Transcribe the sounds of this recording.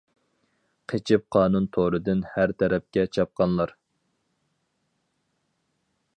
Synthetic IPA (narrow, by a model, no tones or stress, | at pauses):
qʰet͡ʃʰɪp̚qʰɑːnunt̪ʰoɾɨd̪ɪnhæɾt̪ʰɛɾɛp̚kʲɛt͡ʃʰɑp̚qɑnlˠɑɾ